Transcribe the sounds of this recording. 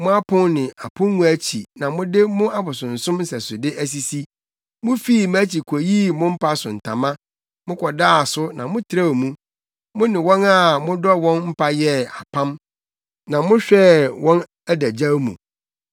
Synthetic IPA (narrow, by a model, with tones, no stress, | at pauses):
mʊ̃˦a˦pʰʊ̃˦nnɪ̃˨ʔa˨pʰʊ̃ː˦ũ˦æ˦t͡ɕʰi˨nã˨mʊ̃˦dɪ˦mʊ̃˦a˦bʊ˨sʊ̃˨n̩˨sʊ̃˦m˦sɛ˨sʊ˨dɪ˦ʔæ˦s̬i˨si˦ | mʊ̃˦fiː˦˨m˦a˦t͡ɕʰi˨kʰɔ˨ji˦mʊ̃˦m̩˦pʰa˦sʊ̃˨n̩˨tʰã̰˨mã˦ | mʊ̃˦kʰɔ˨daː˦a˨sʊ˦nã˨mʊ̃˦tʰɪ˨ɾa˦˨mũ˦ | mʊ̃˦nɪ̃˨wɔ̃˦na˦mʊ̃˦dɔ˦wɔ̃˦nm̩˦pʰa˦jɛ˦a̰˨pʰã˦m | nã˨mʊ̃˦ɕᶣɛ˦wɔ̃˦n | æ˦dæ˨d͡ʑa˦mṵ̃˨